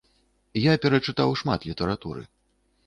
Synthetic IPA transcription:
japʲɛɾɐt͡ʂɨt̪awʂma̰t̪lʲit̪ɛɾat̪ṵɾɨ̰

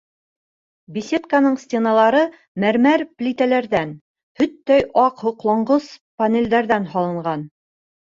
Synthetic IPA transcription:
bʲisʲet̪kanɤɴsʲtʲenalˠɑɾɤ | mæɾmæɾplʲit̪ælæɾðæn | hɵt̪ːæjʔɑqhŏqlˠɑɴɢɤspɐnʲelʲd̪æɾðænɦɑlˠɤ̆ɴɢɑn

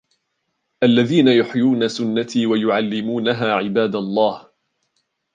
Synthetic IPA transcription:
ʔalːaðiːnajʊħjuːnasʊnːat̪iːwajʊʕalːɪmuːnaɦaːʕɪbaːd̪alˤːɑːh

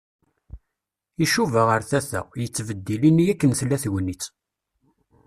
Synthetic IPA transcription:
iʃuvæʁəɾθæθæ̰ʁjət͡sːvəd̪ːilinijækːənθlːæθʝənːit͡sː

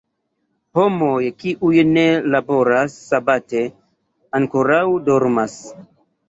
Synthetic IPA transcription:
ho̞mo̞jkiʔujne̞labo̞ɾasːabate̞ | aŋkoɾawdo̞ɾmas

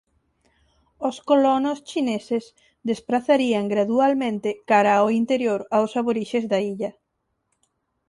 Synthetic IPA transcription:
oskolɔnost͡ʃineses | d̪espɾaθaɾiaŋɡɾaðualmẽnt̪ɪkaɾaoint̪eɾjoɾawsaβoɾiʃezðaiʎɐ

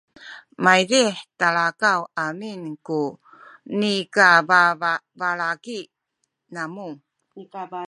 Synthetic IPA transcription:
majɾiħtaɭakawaminku | nikaavaɭaki | namu

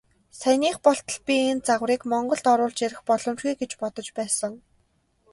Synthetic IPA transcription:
sæniːχpɔɬt̪ɞ̆ɮpʲient͡saʁwriːkmɔɴɢɞ̆ɮt̪ɔɾʊːɮt͡ɕeɾʲɪ̆xpɔɮɞ̆mt͡ɕɣiːɡet͡ɕpɔt̪ɞ̆t͡ɕpæːsə̆ŋ

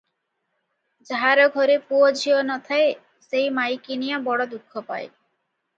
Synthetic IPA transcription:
d͡ʒaɦaɾɔɡʱɔɾepuod͡ʑʱionɔt̪ʰae | sejmajkinijabɔɽɔd̪ukʰːɔpa̰e

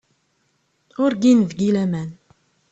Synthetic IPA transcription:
ʊɾɡinvɡilæmæn

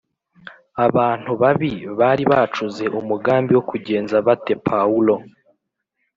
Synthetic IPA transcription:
aβaːn̥huβaβiβaːɾiβat͡ʃuze̞ʔumuɡaːmbiwo̞kuɟe̞ːnzaβate̞pʰaulo̞

